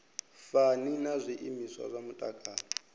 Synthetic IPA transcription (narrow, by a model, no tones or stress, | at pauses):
faninazʷiʔimiswa̰zʷamutʼakʼaːna